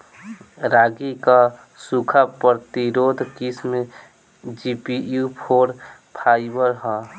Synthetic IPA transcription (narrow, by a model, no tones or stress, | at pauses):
ɾaːɡika | sukʰapəɾt̪iɾoːd̪ʱkismẽ | d͡ʒipijupʰoːɾ | pʰaːɪbəɾɦɔ̃